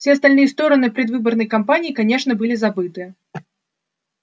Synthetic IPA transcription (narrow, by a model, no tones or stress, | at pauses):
fsʲeɐst̪alʲnɨjəst̪o̞ɾənɨpɾʲɪd̪vɨbərnəjkampanʲɪːkanʲeʂnəbɨlʲɪzabɨt̪ɨjə